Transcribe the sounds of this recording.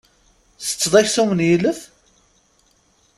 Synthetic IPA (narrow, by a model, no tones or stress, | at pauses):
θə̥t͡sːðˤæçsumənjiləθ